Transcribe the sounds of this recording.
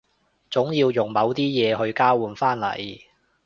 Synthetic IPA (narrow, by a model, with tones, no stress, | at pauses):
t͡sʊ˨˥ŋjiː˧wjʊ˨˩ŋmɐ˨˧˥wt̪iː˥jɛː˨˧ɦɵ˧ɥkaː˥wuː˨˧nfaː˥nlɐ̰˨˩j